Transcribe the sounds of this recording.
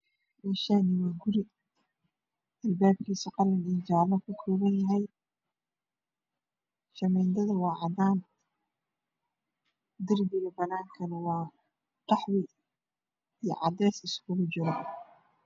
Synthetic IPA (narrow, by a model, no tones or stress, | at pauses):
mɛʃaːnɪwaːɡʊɾɪ | ɐlbaːb̚kʰiːsɐqɑlɐnijd͡ʒaːlɐkʰʊkʰɔːβɐnjɐɦɛj | ʃɐmɛːnd̪ɐðɐwɑːʕɑd̪aːn | d̪ɪrd̪ɪɣɐbɐnaːŋkʰɐnɐwɑː | qɑħwɪ | ijɞ̰ʕɑd̪ɛːsɪskʰʊɣʊt͡ʃɪɾɐ